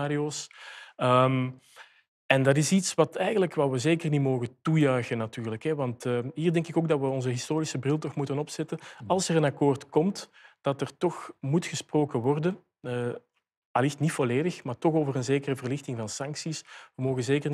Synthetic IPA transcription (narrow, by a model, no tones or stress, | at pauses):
aːdioːsəm | ɛndɑt̬ɪsitsʋɑtɛjɣənləkʋaːʋəzeːkərnimoːɣətujœɥɣənɑtyːrləkɦɛʋɑntəɦiːrdɛŋkɪkoːɡ̚dɑtʋəɔnzəɦɪstoːɾisəbrɪlˠtɔxmutənɔpsɛtəɑlˠsərənɑkoːrtkɔmtd̥ɑtərtɔxmutxəsproːkəʋɔrdənː | alɪxtnitfoleːdəxmaːrtɔxoːvərənzeːkərəvərlɪxtɪŋvɑnsɑŋksisʋəmoːɣənzeːkər